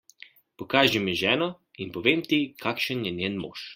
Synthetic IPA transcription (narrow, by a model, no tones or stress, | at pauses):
pɔkaːʒimiʒɛːnɔ | inpɔʋeːmt̪ikʰaːkʃənjɛnʲjɛːnmo̰ːʃ